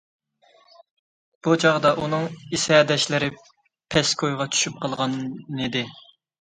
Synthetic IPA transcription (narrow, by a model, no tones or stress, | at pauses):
b̥ut͡ʃʰɑʁd̪ɑʔunɨŋisɛd̪ɛʃlɪɾɪ | pʰɛskʰojʁɑt͡ʃʰy̥ʃyp̚qʰɑlˠʁɑnid̪ɪ